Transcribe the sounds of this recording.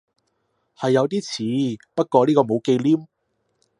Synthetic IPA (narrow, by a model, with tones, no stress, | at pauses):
hɐ˨jːɐ˨˧wt̪iː˥t͡sʰiː˨˧pɐ˥t̚kɔː˧liː˥kɔː˧mo˨˧wke˧jliː˥m